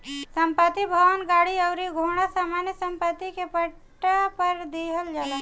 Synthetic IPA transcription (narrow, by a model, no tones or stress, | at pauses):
səmpət̪ːibʱəʋənɡaɽiəʊɾiɡʱoɽ̃asamanjəsəmpət̪ːikepə | ʈːapəɾd̪eɦəld͡ʒalə